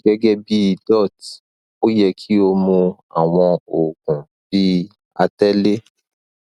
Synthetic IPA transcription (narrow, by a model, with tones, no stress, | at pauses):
ɡɛ˦ɡɛ˦bi˦i˧dɔ˦˨t | o˦jɛ˧kʰi˦o˧mũ˧a˨w̃ɔ̃˧o˨kũ˨ | bi˦ | a˧tɛ˦le˦